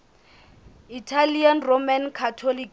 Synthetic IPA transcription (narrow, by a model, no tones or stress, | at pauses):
itʰalianromankʰatʰɔlik